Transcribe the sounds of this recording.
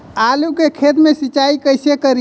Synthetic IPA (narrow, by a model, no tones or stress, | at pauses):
alukekʰet̪mesit͡ʃaikəjsekəɾi